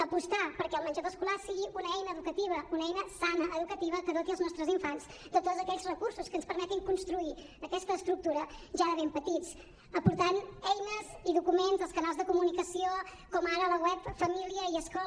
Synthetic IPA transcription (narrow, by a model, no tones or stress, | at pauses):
əpust̪apəɾkɛəlˠmənʲd͡ʒaðəskulasiɣiʔunəɛjnəːðukət̪iβ̞əunəɛjnəsanəʔəðukət̪iβ̞əkəðot̪iəlˠznɔst̪ɾəziɱfanzd̪ət̪ozəkɛʎzrəkursuskənspəɾmɛt̪iŋkunst̪ɾui | əkɛst̪əːst̪ɾuk̚t̪uɾəʒaðəβempət̪it͡s | əpuɾt̪anɛjnəziðukumenzəlˠskənalˠzðəkumunikəsio | kɔmaɾələɣwɛpfəmiliəiəskɔ